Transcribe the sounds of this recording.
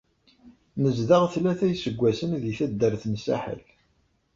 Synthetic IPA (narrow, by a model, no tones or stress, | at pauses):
nəzðəʁθlæθæjsəɡʷːæsənðiθæd̪ːəɾθnsæ̰ħə̰l